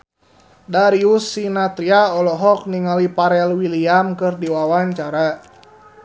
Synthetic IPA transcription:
daɾiusːinat̪ɾiaɔlɔɦɔk̚niŋalipaɾɛlwiliamkɨrdiwawaɲt͡ʃaɾa

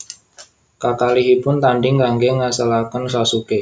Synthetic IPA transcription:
kakaliɦipʊnt̪anɖɪŋɡaŋɡeŋasalakansasuke

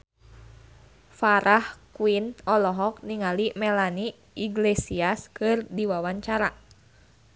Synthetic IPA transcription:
faɾʔahkuinɔlɔɦɔk̚niŋalimɛlani | iɡlesiaskɨrdiwawaɲt͡ʃaɾa

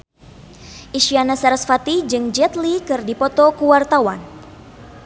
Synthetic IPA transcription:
ʔiʃianasaɾasfat̪id͡ʒɨŋd͡ʒɛt̪likɨrdipɔt̪ɔkuwart̪awa̰n

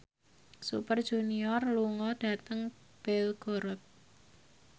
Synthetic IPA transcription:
sṵpərd̥ʒ̥ṳniɔrluŋɔd̥a̤t̪əŋ | b̥ɛlɡ̥oɾɔt̪̚

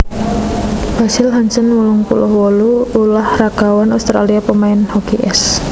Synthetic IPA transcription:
b̥asɪlɦaɲt͡ʃənwuluŋpṵlʊhwɔluːlahraɡ̥awanaust̪ɾa̰liapəmaɪnhɔkeʔɛs

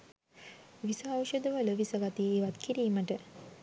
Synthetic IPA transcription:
ʋisəawʃəd̪əʋələʋisəɡat̪ieːʋat̪kiɾiːməʈə

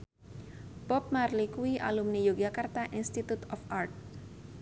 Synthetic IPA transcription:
pɔp̚marlikuiʔa̰lumnijoɡakart̪aʔinst̪it̪ut̪ɔfʔart̪̚

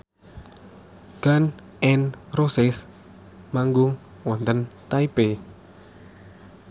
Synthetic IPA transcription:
ɡ̥an | ʔɛnrosɪs | maŋɡʊŋ | wɔnt̪ənt̪aipe

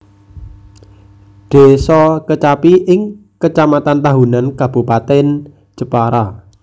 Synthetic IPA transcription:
ɖ̪̥e̤sɔkət͡ʃapiʔɪŋkət͡ʃamat̪ant̪aɦunankab̥ṳpat̪ɛn | d͡ʒəpaɾa

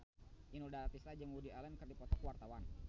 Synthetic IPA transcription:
inudaɾat̪isad͡ʒəŋwudialɛnkərdipɔt̪ɔkwart̪awan

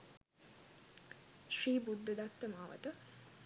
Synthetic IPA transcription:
ʃriːbud̪ːəd̪at̪ːəmaːʋə̰t̪ə

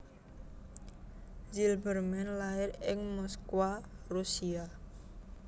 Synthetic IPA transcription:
zilbərmɛnlaɪɾɪŋmɔskwarusia

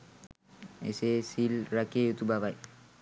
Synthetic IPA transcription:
ḛsesilɾakejut̪ubaβaj

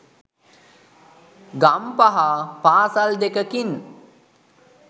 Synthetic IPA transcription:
ɡampaɦapaːsald̪ekəkin

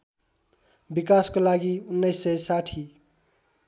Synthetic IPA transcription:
bikaskolaɡiunːʌjsːʌjsaʈʰi

